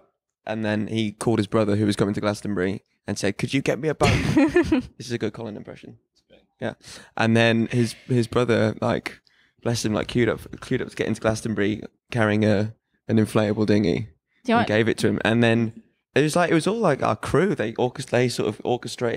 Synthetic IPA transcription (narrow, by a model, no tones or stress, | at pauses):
ʔə̃nðə̃nikʰɔlˠd̚ɨzbɹʌðə˞ɦʉwʌz̥kʰʌmɪ̃ŋtʰəɡlastmbəɹi | ə̃nsɛd̚kʰɨd͡ʒɨɡɛʔ̚miəbʌ̃pðɪsɪzɨɡʊd̚kʰɑlˠə̃nɪ̃mpʰɹ̥ɛ̰ʃə̃n | jæ̰ʔə̃nðə̃nɪzɪzbɹʌðə˞la̰ɪk | b̥lɛstɨ̃mlaɪkʰj̥ʉɾʌ̰pkʰl̥ʉɾʌ̰pszɡ̥ɛ̰tʔɪ̰̃ŋtʰəɡlastə̃mbəɹi | kʰaɹiɪ̃ŋə | ɨ̃nɨ̃ɱfleɪəbəl̩ˠdɪ̃ŋḭ | ənɡeɪvɨtʰɨɪ̃mʔə̰̃nðɨ̃n | ɪt̚ʌslaɪkɪt̚wʌzɔlaɪkɑ̰kʰɹ̥ʉðeɪʔɔˑkɨsðeɪsɔ̰ɹtʌvɔ̰ˑkɨstɹ̥eɪ